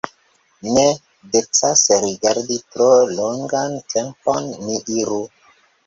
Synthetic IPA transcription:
ne | det͡sasɾiɡaɾditɾoloŋɡantʰemponːiʔiɾu

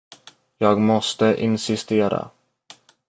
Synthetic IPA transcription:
jɑːɡmɔst̪əʔɪnsɪst̪eːɾa̰

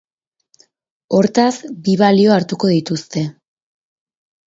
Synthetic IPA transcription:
o̞ɾt̪asbiβalio̞aɾt̪uko̞ðit̪ust̪e̞

